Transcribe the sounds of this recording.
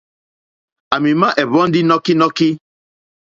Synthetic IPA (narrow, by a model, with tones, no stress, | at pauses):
a˨mĩ˨mã˦ʔɛ˨βɔ˨˦n̩˦di˦nɔ˦ki˦nɔ˦ki˦